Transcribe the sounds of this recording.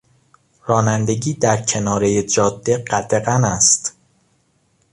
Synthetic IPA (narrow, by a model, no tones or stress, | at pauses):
ɾɒːnænd̪e̞ɟiːd̪æɾcʰe̞nɒːɾe̞jed͡ʒɒːd̪ːeɢæd̪eɣænæst̪